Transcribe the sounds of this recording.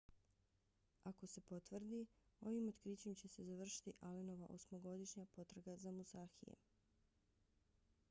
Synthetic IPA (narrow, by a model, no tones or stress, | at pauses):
ako̞se̞po̞t̪ʋr̩d̪io̞ʋimo̞t̪kɾiːt͡ɕe̞mt͡ɕe̞se̞zaʋr̩ʃi̥t̪iʔaleno̞ʋaʔo̞̰smoɡo̞d̪iʃɲapo̞t̪ɾaɡazamusaːxijḛ